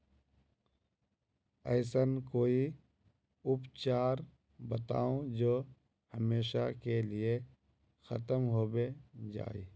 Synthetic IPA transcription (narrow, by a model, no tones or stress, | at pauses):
ɛːsənkoːi | ʊpt͡ʃaːɾ | bət̪a̰ːõd͡ʒoː | həmeːʃa̰kelie | xət̪əmɦoːbed͡ʒa̰ːḭː